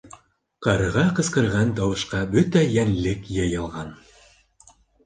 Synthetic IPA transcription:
qɑɾɤ̆ʁɑqɤ̆sqɤ̆ɾʁɑnt̪ɑwɤ̆ʃqɑbɵt̪æjænlɘkjɤ̆jɤ̆lˠʁɑn

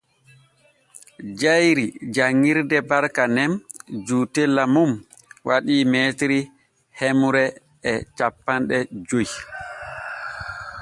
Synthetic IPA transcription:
d͡ʒajɾid͡ʒaŋːiɾdɛbaɾkanɛnd͡ʒuːtɛlːamum | wʔaɗiːmɛtɾi | hɛmuɾɛː | t͡ʃapːanɗɛd͡ʒoj

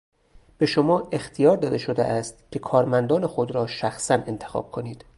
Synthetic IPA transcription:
b̥e̞ʃomɒːʔe̞xt̪ʰijɒːɾd̪ɒːd̪eʃod̪ḛʔæːst̪cʲʰe̞kʰɒːɾmænd̪ɒːne̞xod̪ɾɒːʃæxsæne̞nt̪ʰe̞̥xɒ̰ːb̥̚kʰo̞niːd̪̥

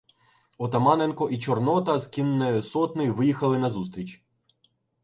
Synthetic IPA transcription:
ɔt̪ɐmɑnenkɔʔit͡ʃɔrnɔt̪ɐzkʲinːɛjʊsɔt̪nɪʋɪjixɐlˠɪnɐzust̪ɾʲit͡ʃʲ

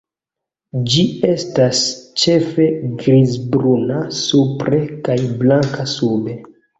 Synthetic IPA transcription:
d͡ʒie̞stast͡ʃe̞fe̞ɡɾizbɾunasupɾe̞kajblaŋkasube̞

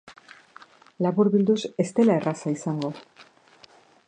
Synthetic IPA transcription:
laβuɾβild̪usest̪elaerʔasaisaŋɡo̞

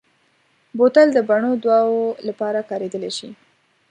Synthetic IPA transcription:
bot̪ald̪əbaɳod̪wɑwolapɑɾakɑɾed̪əleʃḭ

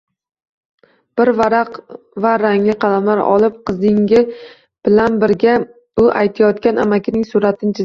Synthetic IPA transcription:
b̥ɪɾvaɾaq | vaɾaŋlɪqʰɑlamlaɾɒ̰lˠɪp̚qʰɨzɪŋɡʲɪ | b̥ɪlanbɪɾɡʲa | ʊʔajt̪ʰajɒt̪kʲanamakʲɪnɪŋsʊɾat̪ʰɪnt͡ʃʰɪ

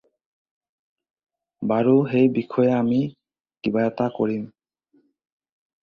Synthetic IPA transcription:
baɾuɦejbikʰːoeami | kibajat̪akoɾin

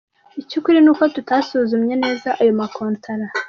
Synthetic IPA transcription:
icukuɾinuːkotutasuzumɲe̞ne̞ːzaʔajo̞makoːntʰaɾa

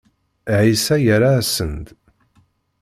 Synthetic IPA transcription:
ʕisæjəɾasənd̪

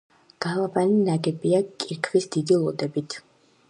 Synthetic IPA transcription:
ɡ̥alˠabaninaɡɛbiakʼiɾkʰvisd̪̥id̪ilˠɔd̪ɛbit̪ʰ

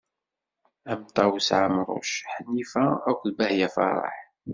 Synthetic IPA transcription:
æmt̪ˤɑwsʕamɾˤʊ̰ʃħənːifæækʷðbæhjæfɑ̰rˤːɑ̰ħ

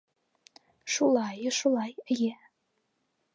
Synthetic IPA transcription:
ʃulˠɑjɤʃulˠɑjɘje

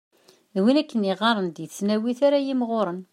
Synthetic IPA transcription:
ðwinækːəniʁɑɾˤənd̪jəθt͡sːnæwiθaɾajimʁoɾˤən

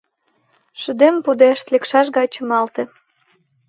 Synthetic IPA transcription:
ʃəd̪empud̪eʃt̪lekʃɑʃɡɑt͡ɕə̆mɑlt̪ĕ

